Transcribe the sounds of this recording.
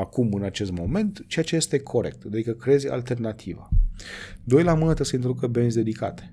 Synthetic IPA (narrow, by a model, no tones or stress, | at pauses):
akumɨnat͡ʃe̞st̪mo̞me̞nt̪t͡ʃe̞jat͡ʃe̞jest̪e̞kʰo̞ɾe̞̰k̚t̪d̪ad̪ikəkɾezʲa̰lt̪e̞rnat̪ʰiva̰ | d̪o̞jlamɨnət̪əsejint̪ɾod̪ukəbenzʲd̪e̞d̪ika̰t̪e̥